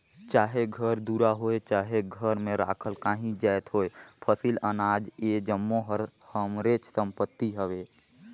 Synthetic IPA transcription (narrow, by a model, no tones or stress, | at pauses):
t͡ʃaːɦeɡʱəɾd̪uːɾaɦoet͡ʃaːɦeɡʱəɾmẽɾa̰ːkʰəlkaːɦĩd͡ʒajt̪ɦoːepʰəsilənaːd͡ʒed͡ʒəmːoɦəɾhəmɾet͡ʃsə̃mpət̪ːiɦəweː